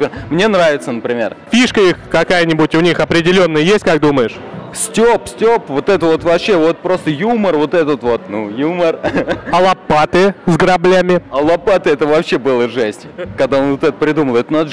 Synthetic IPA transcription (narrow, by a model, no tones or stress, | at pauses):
mnʲenravʲɪt̪sənəpɾʲɪmʲḛrfʲiʂkəixkɐkajənʲɪbʊtʲʊnʲixɐpɾʲɪdʲɪlʲo̞nːəjəjesʲtʲkak̚d̪uməjɪʂ | sʲtʲopsʲtʲopvot̪ɛt̪əvo̞t̪vɐpɕːe̞vo̞t̪̚pɾo̞st̪əjumərvo̞t̪ɛt̪ət̪vo̞t̪nujumərəlˠɐpːat̪ɨzɡəɾɐblʲæmʲɪɐlˠɐpat̪ɨɛt̪əvɐpɕːe̞bɨlˠəʐɛsʲtʲkɐɡd̪aonvot̪ɛt̪əpɾʲɪd̪uməlˠɛt̪ənad̪